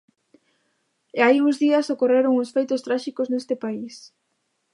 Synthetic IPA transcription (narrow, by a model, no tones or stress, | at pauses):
eaijuŋzðiasokoreɾoŋosfejt̪ost̪ɾaʃikoznest̪ɪpais